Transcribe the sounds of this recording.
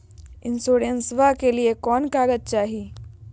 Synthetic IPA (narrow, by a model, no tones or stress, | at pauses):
ɪ̃nsoːɾənsʋakeliekɔːnkaːɡət̪̚t͡ʃaːɦi